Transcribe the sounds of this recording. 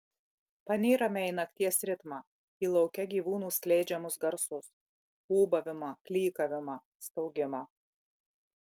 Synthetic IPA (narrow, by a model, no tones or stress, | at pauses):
pɐnʲeːɾɐmʲɛɪnɐkt̪ʲiɛsɾʲɪt̪mɑː | iːlˠɒʊkʲɛɡʲiːʋuːnuːsʲklʲɛɪd͡ʒʲɛmʊsɡɐɾsʊs | uːbɐʋʲɪmɐklʲiːkɐʋʲɪmɐ | st̪ɐʊɡʲɪmɐ